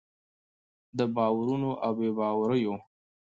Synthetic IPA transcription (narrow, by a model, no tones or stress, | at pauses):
d̪əbɑwaɾunoʔawbebɑwaɾəjo